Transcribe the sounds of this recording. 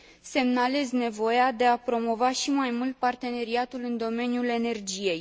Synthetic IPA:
se̞mnale̞zne̞vo̞jad̪e̞apɾo̞mo̞vaʃimajmult̪̚part̪e̞ne̞ɾiat̪ulɨnd̪o̞me̞njule̞ne̞rd͡ʒije̞j

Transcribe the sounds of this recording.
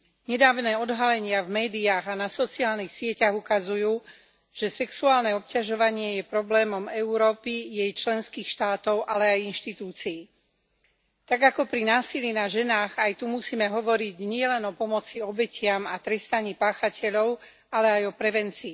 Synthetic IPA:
ɲɛd̪aːʋʊnɛːɔd̪ɦalɛɲɪavmɛːd̪iaːɣanasɔt͡siaːlnixsɪɛcaɣukazujuː | ʒ̥ɛsɛksuaːlnɛɔpcaʒɔʋaɲɪɛjɛpɾɔblɛːmɔmɛuɾɔːpijɛjt͡ʃlɛnskiːxʃt̪aːt̪ɔʊʔalɛajinʃt̪it̪uːt͡siː | t̪aɡakɔpɾinaːsilinaʒɛnaːɣajt̪umusiːmɛɦɔʋɔɾiɟɲɪɛlɛnɔpɔmɔt͡siɔbɛcɪamat̪ɾɛst̪aɲiːpaːxacɛʎɔʊ | alɛajɔpɾɛʋɛnt͡siː

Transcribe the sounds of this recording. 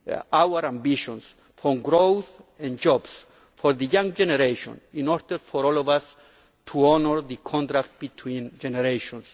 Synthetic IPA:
awəɾãmbiʃɔ̃ns | fɔɡɾowθɛ̃nd͡ʒɔbs | fɔɾðəjãŋd͡ʒɛnɛɾeʃɔ̰̃nĩnɔɾdəɾfɔɾɔlɔvas | tʰuɔnəɹðəkʰɔ̃nt̪ɾak̚t̪̚b̥it̪ʰwĩnd͡ʒɛnɛɾeʃɔ̃ns

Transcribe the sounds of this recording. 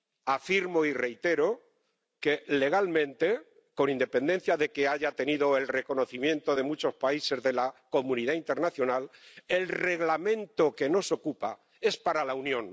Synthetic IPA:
afiɾmoire̞jt̪e̞ɾo̞ | ke̞le̞ɣ̞almẽ̞nt̪e̞ | ko̞nĩnd̪e̞pe̞nd̪e̞n̟θjaðe̞ke̞aʝat̪e̞niðoe̞lre̞ko̞no̞θimjẽ̞nt̪o̞ðe̞mut͡ʃo̞spaise̞zðe̞lako̞mũniðaint̪e̞ɾnaθjo̞nale̞lre̞ɣlamẽ̞nt̪o̞ke̞no̞so̞kupa̰ | e̞spaɾalaunjõ̞n

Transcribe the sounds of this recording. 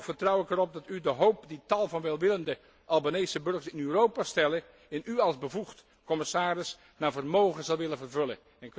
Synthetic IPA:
fəɹtrʌwɪkɛɾɔp̚dɑtydəɦowpditɑlˠvɑnʋɛlˠʋɪləndə | ʔɑlˠbanejsəbɵɹχəsɪnyrowpastɛlə | ɛnyɑlˠzbəvuχt | kɔmɪsaːɾɪs | naːɹvərmowχəzɑlˠʋɪlənvərvɵlən | ɛnk

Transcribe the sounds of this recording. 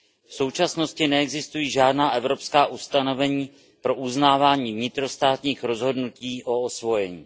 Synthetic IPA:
fso̞wt͡ʃasno̞scɪnɛɛɡzɪst̪ujiːʒaːdnaːʔɛvɾo̞pskaːʔust̪ano̞vɛɲiː | pɾo̞ʔuznaːvaːɲiːvɲɪt̪ɾo̞st̪aːt̪ɲiːxɾo̞zɦo̞dnuciːʔo̞osvo̞jɛɲḭː

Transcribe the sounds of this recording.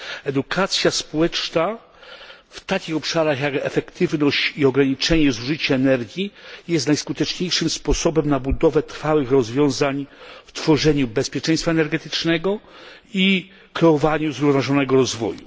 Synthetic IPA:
ɛd̪ukʰat̪sʲjaspɔwɛt͡ʂna | ft̪akʲixɔpʂaɾaxjakɛfɛkt̪ʰɘvnɔɕt͡ɕiɔɡɾaɲit͡ʂɛɲɛzuʐɘt͡ɕaɛnɛɾɡʲjijɛst̪najskut̪ɛt͡ʂɲejʂɘmspɔsɔbɛmnabud̪ɔvɛt̪ɾfawɘxɾɔzvʲjɔ̃w̃zaɲft̪fɔʐɛɲubɛspʲjɛt͡ʂɛ̃j̃st̪faɛnɛɾɡɛt̪ɘt͡ʂnɛɡɔ | i | kɾɛɔvaɲuzɾuvnvaʐɔnɛɡɔɾɔzvɔ̰jṵ

